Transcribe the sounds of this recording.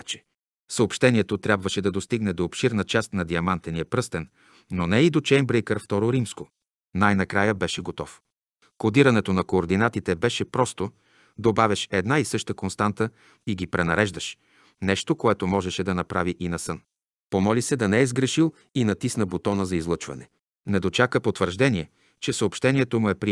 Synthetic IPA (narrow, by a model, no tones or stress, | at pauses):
t͡ʃɛ̥ | səopʃt̪ɛniɛt̪ot̪ɾʲjabvəʃɛd̪ɐd̪ost̪iɡnɛd̪oːpʃiɾnət͡ʃast̪nɐd̪iɐmant̪ɛniɐpɾɤst̪ɛnː | onɛid̪ot͡ʃɛjmbɾɛjkəɾft̪ɔɾoɾimsko | najnɐkɾajəbɛʃɛɡot̪ɔf | kod̪iɾɐnɛt̪onɐkoːɾd̪inat̪it̪ɛbɛʃɛpɾɔst̪o | d̪obavʲɐʃɛd̪naisɤʃt̪əkonst̪ant̪ə | iɡipɾɛnɐɾɛʒd̪ɐʃ | nɛʃt̪okoɛt̪omɔʒɛʃɛd̪ɐnɐpɾaviʔinɐsɤn | pomɔlisɛd̪ɐnɛɛzɡɾɛʃilˠ | inɐt̪isnəbot̪ɔnəzɐizlˠɤt͡ʃvɐ̰nɛ | nɛd̪ot͡ʃakəpot̪vəɾʒd̪ɛniɛ | t͡ʃɛsəopʃt̪ɛniɛt̪omʊɛpɾi